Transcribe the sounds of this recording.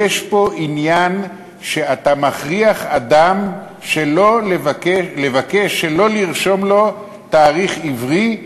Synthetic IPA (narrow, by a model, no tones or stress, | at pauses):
eʃpo̞ʔinjan | ʃe̞at̪amaχʁiaχad̪am | ʃelolevakeʃlevakeʃːelo̞liʁʃo̞mlo̞ | t̪aːʁiχivʁi